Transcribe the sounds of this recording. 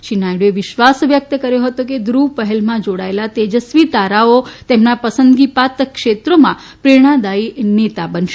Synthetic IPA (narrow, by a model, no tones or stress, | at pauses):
ʃinajɖoeʋɪʃʋasʋjək̚t̪əkəɾjoɦət̪oked̪ɾupəɦɛlmãd͡ʒoɽaelat̪ed͡ʒəsʋit̪aɾaot̪emnapəsənd̪ɡipat̪kʃet̪ɾomã | pɾeɽ̃ãd̪ainet̪abənʃe